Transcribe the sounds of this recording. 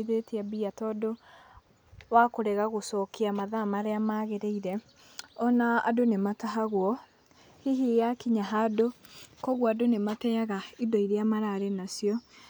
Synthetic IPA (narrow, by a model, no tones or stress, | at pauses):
iðeteabiatɔdo | wakoɾɛɣaɣosɔkeamaðamaɾeamaɣeɾeiɾɛ | ɔnaa̰donemataɦaɣwɔ | hiɦijakiɲaɦadokɔɣwadonematɛaɣaidɔiɾeamaɾaɾenasjɔ